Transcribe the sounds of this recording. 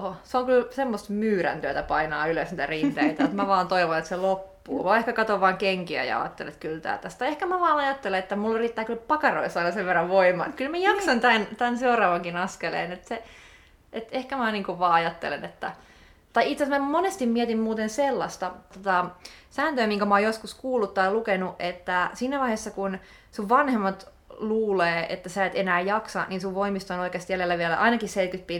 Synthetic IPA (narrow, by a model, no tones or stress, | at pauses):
oseoŋkylsemːost̪myːɾæ̰nt̪yøt̪æpɑinɑːyløsniːt̪ærit̪eit̪æet̪mæʋɑːnt̪oiʋonet̪selopːṵːʋɑehkækɑt̪oʋʋɑːŋkeŋkiæ̰jɑ̰ɑ̰ːt̪ːḛlḛḛt̪kylt̪æ̰ːlt̪æst̪ɑehkæmæʋɑːnɑjɑt̪ːeleet̪ːæmulːriːt̪ːæːkylpɑkɑro̰isːɑnɑseʋʋerːɑʋʋoimˑɑ̰ḛt̪kylmæjɑksɑnt̪ænt̪ænseurɑːʋɑŋkinɑskelḛːnet̪se | et̪ehkæmæniːŋkuʋʋɑːɑjɑt̪ːḛlḛnet̪ːæ | t̪ɑiit̪sːesmæmonest̪immiɛt̪immuːt̪enselːɑst̪ɑt̪ot̪ɑsæːnt̪øːmiŋkæmɑoːjoskuskuːlːut̪t̪ɑjlukenuʔʔet̪ːæsiːnæʋɑiheːsːɑkun | suʋʋɑnhemːɑt̪ | luːleːʔḛt̪ːæsæːt̪enæːjɑksɑ̰ninsuʋʋoimist̪onoikeːst̪jælelːæʋielæ̰ʔɑinɑkisseikyt̪̚piː